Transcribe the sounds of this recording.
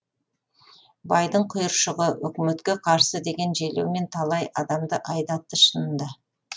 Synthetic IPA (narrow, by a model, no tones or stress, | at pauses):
bɑjd̪əɴqʰʊjəɾʃəʁəwɵ̰kʲɪme̞t̪kʲe̞qʰɑɾsəd̪e̞ɡʲe̞nʒelewme̞nt̪ʰɑlˠɑjʔɑd̪ɑmd̪əʔɑjd̪ɑt̪ːəʃənənd̪ə